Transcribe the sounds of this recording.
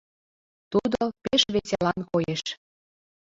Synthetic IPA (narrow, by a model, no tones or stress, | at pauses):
t̪ud̪opeʃβesʲelɑnkojeʃ